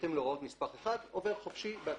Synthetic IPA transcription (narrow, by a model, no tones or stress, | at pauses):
temloʁao̞t̪mispaχeχadove̞ʁχofʃibea